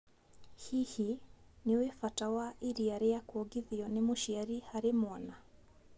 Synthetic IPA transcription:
hihiniwɛfatawaʔiɾiaɾɛjakuɔɡiðiɔnimuʃiaɾihaɾɛmɔna

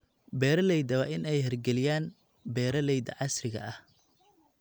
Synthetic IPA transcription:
bɛːɾɐlɛjd̪ɐwɑːʔɪnɛjɦɛrɡɛlɪjaːn | bɛːɾɐlɛjd̪ɐ̰ʕɑsrɪɣɐ̰ʔɐh

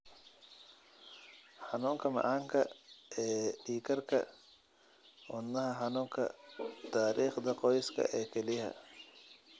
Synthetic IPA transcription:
ħɑnuːŋkʰɐmɑ̰ʕaːŋkʰɐʔɛːɖiːkʰɐrkʰɐ̰ | ʔʊnːɐɦɐħɑnuːŋkʰɐ̰t̪ʰaːɾiːχd̪ɐqɔjskʰɐ̰ʔɛːkʰɛlɪhɐ̰

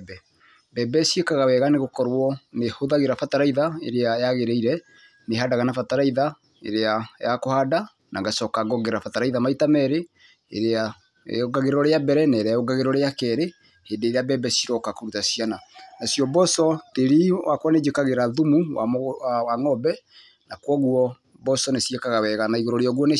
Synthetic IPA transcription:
bɛ | bɛbɛsiekaɣawɛɣaneɣokɔɾwɔnehoðaɣeɾafataɾaiðaeɾeajaɣeɾɛiɾɛ | neɦadaɣanafataɾaiða | ḛɾeajakohada | na̰ŋɡasɔkaɡɔɡeɾafataɾaiðamaitamɛɾe | ḛɾea | oɡaɣeɾɔɾeabɛɾɛnɛɾaoɡaɣeɾɔɾeakɛɾe | heːndeːɾeabɛbɛsiɾɔkakoɾutasiananasjɔbɔsɔteɾiwakwɔned͡ʒekaɣeɾaðumuwawaŋɔbɛ | nakwɔɣuɔ | bɔsɔnesjekaɣawɛɣanaiɣoɾɔɾeɔɣwɔne

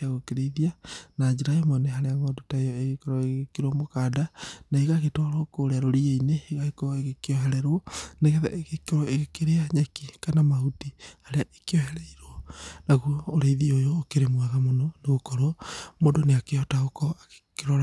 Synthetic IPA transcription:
aɣokeɾeiðianad͡ʒeɾaemɔneɦaɾeaŋɔdotaejɔeɣekeɾɔeɣɣekeɾɔmokaːdanaiɣaɣetɔɾokoɾeaɾoɾieineeɣaekɔeɣekeɔɦɛɾɛɾwɔneɣɛðɛ̰ʔeɣekeɾɔʔeɣekeɾeaɲɛkikanamahutihaɾeaʔekeɔɦɛɾɛiɾwɔnaɣuooɾeiðiojoːkeɾemwaðamonɔneɣokɔɾomoːndoneakeɔtaokɔake̥keɾɔɾ

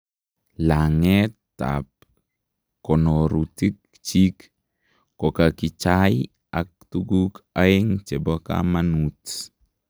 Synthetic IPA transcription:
laŋɛtta̰p̚ | kɔnoɾutik̚ | t͡ʃik | kokakit͡ʃaj | ak̚tuɡukaiŋt͡ʃɛboka̰manut

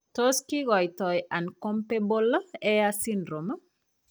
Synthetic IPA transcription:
toskiɡɔjtɔjankompebolɛasindɾomə

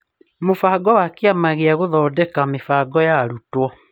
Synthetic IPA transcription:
mofaɡɔwakeamaɣeaɣoðɔːdɛkamefaɡɔjaɾutwɔ

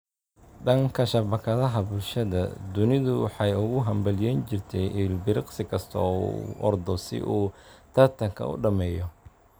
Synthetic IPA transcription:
ɖɐŋkʰɐʃɐbɐkʰɐðɐɦɐbʊlʃɐðɐ̰d̪ʊnɪðʊwɑħɑjʊɣʊɦɐmbɐlɪjɛːnt͡ʃɪrt̪ʰɛʔilbɪɾɪqsɪkʰɐst̪ʰːṵʔɔ̰rd̪ɔsɪ̰ʔuːt̪ʰɐrt̪ʰɐŋkʰɐ̰ʊ̰ɖɐmɛːjɔ

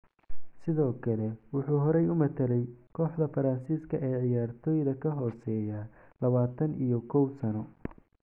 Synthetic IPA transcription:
sɪðɔːkʰɐlɛwʊħuːɦɔɾɛjʊmɐt̪ʰɐɾɛjkʰɔːħd̪ɐfɐɾɐnsiːskʰɐʔɛːʕɪjaːrt̪ʰɔːjðɐkʰɐɦɔːsɛːjalɐβaːt̪ʰɐnʔijɔkʰɔwsɐnɔ

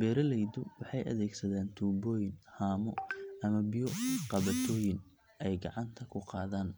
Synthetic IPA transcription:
bɛːɾɐlɛjðʊwɑħɑjʔɐ̰ðɛːɡsɐðaːnt̪ʰuːbɔːjɪnhaːmɔɐmɐbɪjɔqɑβɐt̪ʰɔːjɪn | ɛjɡɑʕɑnt̪ʰɐkʰʊqɑ̰ːðaːn

